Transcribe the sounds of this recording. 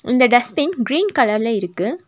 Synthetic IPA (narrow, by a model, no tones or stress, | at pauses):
ɪnd̪ɐɖɛspɪnɡɾiːnkɐlɐɾɪlɐɪɾɯkːɯ